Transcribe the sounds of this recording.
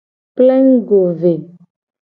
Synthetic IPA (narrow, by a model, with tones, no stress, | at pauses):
plɛ˦ŋɡo˨ve˨